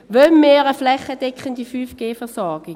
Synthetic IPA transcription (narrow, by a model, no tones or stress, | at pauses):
ʋœmːeːʁəflɛχəd̥ɛkχəndifyːfɡ̥eːfɛʁsɔɾɡ̥ɪ